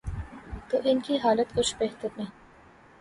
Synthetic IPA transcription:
t̪oʔɪnkiɦaːlət̪kʊt͡ʃʰbeɦt̪əɾnẽː

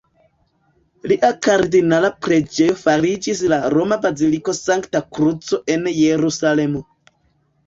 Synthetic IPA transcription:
liʔakaɾdinalapɾe̞d͡ʒe̞jo̞faɾid͡ʒislaɾo̞mabaziliko̞saŋktakɾut͡so̞ʔe̞nje̞ɾusale̞mo̞

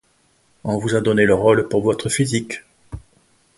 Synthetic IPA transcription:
ɔ̃vuzad̪ɔneləʁɔlpuʁvɔt̪χəfizik

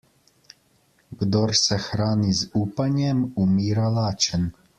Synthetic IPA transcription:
ɡd̪ɔɾsɛxɾaːnizuːpanjɛmumiːɾalaːt͡ʃən

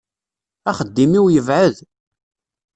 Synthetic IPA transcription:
æχəd̪ːimiwjəvʕəð

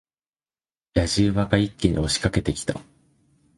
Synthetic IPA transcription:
jaʑɨːβakaikʲːeɲ̟ḭo̞ɕi̥kake̞t̪e̞kʲi̥t̪a̰

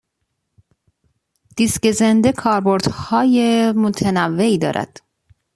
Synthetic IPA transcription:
d̪̥iscezend̪e̞kʰɒːɾboɾd̪̥hɒːjemot̪ʰenævːe̞iːd̪ɒ̰ːɾʔæ̰d̪̥

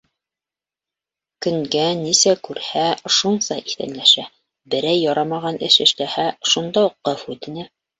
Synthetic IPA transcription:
kɵ̆ŋɡænisækʉɾhæʃunsɑʔiθæ̰nlæʃæ | bɘ̆ɾæjːɒɾɑmɑʁɑnɘ̰ʃɘ̆ʃlæhæʃund̪ɑuqːɤfʉt̪ɘ̆næ

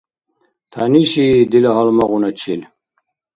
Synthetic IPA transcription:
t̪ʰaniɕid̪ileɦɐlmɐɣunɐt͡ɕʰil

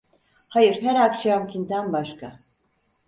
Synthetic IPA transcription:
hajɯɾɦæɾakʃaamcʰint̪ʰænbaʃka

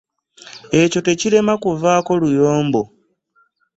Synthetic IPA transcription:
e̞co̞te̞cile̞makuvaːko̞lujoːmbo̞

